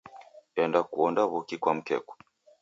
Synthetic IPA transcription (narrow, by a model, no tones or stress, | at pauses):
ɛndakuɔndaβukikwam̩kɛ̰kɔ̥